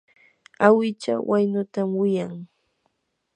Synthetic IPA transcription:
awɪt͡ʃa̰wʔajnʊt̪amwɪjaŋ

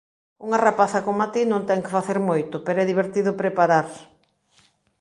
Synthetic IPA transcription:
uŋarapaθɐkoŋmat̪inõŋt̪ɛŋkefaθeɾmojt̪ʊpeɾoɛðiβ̞eɾt̪iðʊpɾepaɾaɾ

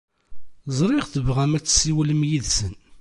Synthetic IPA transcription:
zˤɾˤɪʁθəvʁæmæt͡sːsiwləmjiðsən

